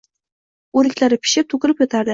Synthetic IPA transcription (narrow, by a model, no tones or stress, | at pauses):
uɾɪkʲlʲæɾɪpʰɪ̥ʃɪp̚t̪ʰukʲɪɾɪpjot̪aɾd̪ɪ